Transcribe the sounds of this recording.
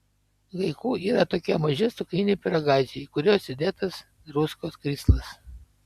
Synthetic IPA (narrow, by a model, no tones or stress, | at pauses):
ʋɐɪkuːiːɾɐt̪oːkʲɛmɐʒʲɪst̪ʊkʲɪnʲɪːpʲɪɾɐɡɑˑɪzʲɪjɛɪkʊɾʲoːsʲɪd̪ʲeːt̪ɐs | ɾʊskoːskɾʲiːslˠɐs